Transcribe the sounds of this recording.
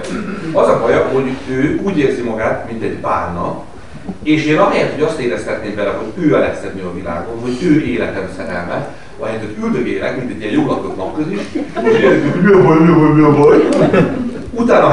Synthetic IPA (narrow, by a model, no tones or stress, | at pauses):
ɒzɒfɒjɒho̞ɟøːuːɟeːrzimɒɡaːt̪mint̪ɛɟbaːrnɒp | eːʃeːnɒɦɛjɛrt̪ho̞ɟɒst̪eːɾɛst̪ɛt̪neːmvɛlɛɦo̞ɟøːɛlɛ̰t̪sɛd̪nyɒvila̰ːɡo̞nɦo̞ɟøːeːlɛt̪ɛmsɛɾɛ̰lmɛt̪ | ɒ̰ɦɛt̪øt̪yld̪øɡeːlɛ̰kmint̪ɛɟːijɛjoːlɒpot̪nɒpkːøziʃ | miɒbɒjmiɒbɔjmiɒbɒj | ut̪aːnɒ